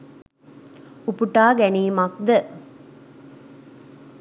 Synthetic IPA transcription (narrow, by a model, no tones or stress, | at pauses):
upuʈaːɡæniːmak̚d̪ə